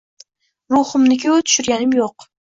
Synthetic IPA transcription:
ɾʊχʊmnɪkʲʰʊt̪ʰʊ̥ʃʊɾɡʲanɪmjoq

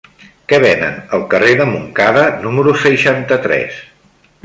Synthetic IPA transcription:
kɛβ̞ɛnə̰nəlˠkəreðəmuŋkaðənuməɾusəʃant̪ət̪ɾɛ̰s

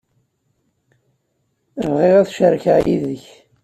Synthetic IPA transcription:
vʁeʁæθʃəɾçaʕjḭðəç

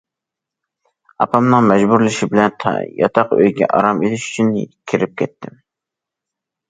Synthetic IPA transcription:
ɑpʰɑmnɨŋmɛd͡ʒbuɾlɪʃibɪlɛnt̪ʰjɑ̰t̪ʰɑqø̰jɡʲɛ̰ʔɑ̰ɾɑmelɪʃy̥t͡ʃʰyn̰kʲʰiɾɪp̚kʲʰɛt̪ʰːɪm

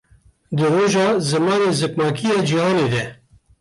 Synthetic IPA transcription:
d̪ɨroːʒɑːzɨmɑːneːzɨpnɑːkʰijɑːd͡ʒihɑːneːd̪ɛ

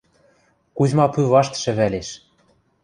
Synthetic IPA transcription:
kuzmɑpyβɑʃt̪ə̥̆ʃɘ̆βæleʃ

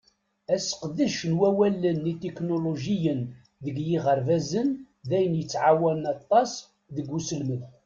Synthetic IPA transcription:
æsqðəʃnwæwælənːit̪eknoloʒijən | ðəɡjiʁəɾvæzən | ðæjənjət͡sːʕawænɑt̪ˤːɑs | ðəɡːusəlməð

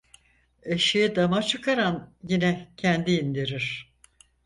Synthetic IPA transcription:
eʃijid̪amat͡ʃʰɯkʰaɾanjinɛcʰænd̪iːnd̪iɾiɾ̥

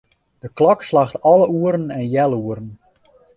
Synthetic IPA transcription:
d̥əklɔkslaxtɔləuəɾənɛnjɛlˠuəɾən

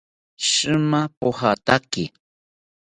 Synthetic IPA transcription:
ʃɨmapohat̪akɪ

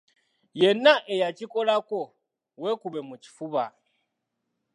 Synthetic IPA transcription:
jenaʔejat͡ʃikolako | wekuβemuci̥fuβa

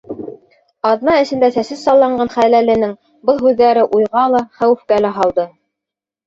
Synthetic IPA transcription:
ɑðnɑɘ̆sɘ̆nd̪æsæsɘssɑlˠːɑɴɢɑnχælælɘ̆nɘŋ | bɤlˠɦʉðːæɾɘʔujʁɑlˠɑχæwɘ̆fkælæɦɑlˠd̪ɤ

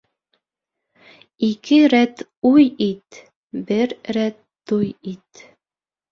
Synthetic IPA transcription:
ikɘɾæt̪ | ujit̪ | bɘɾɾæt̪ːujit̪

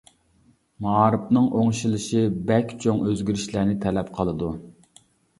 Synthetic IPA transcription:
mɑɑɾɨpnɨŋʔoŋʃilˠɨʃibɛkʲt͡ʃʰoŋʔøzɡʲyɾiʃlæɾnɪt̪ʰɛlɛpqʰəlˠɨd̪u

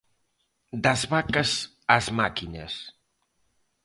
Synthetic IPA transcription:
d̪əzβakəz | azmakinə̰s

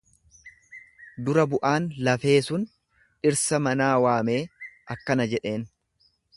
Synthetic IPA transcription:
d̪ʊɾɐbʊʔaːnlɐfe̞ːsʊn | ᶑɪɾsɐmɐnaːwaːme̞ːʔɐkːɐnɐd͡ʒɛᶑe̞ːn

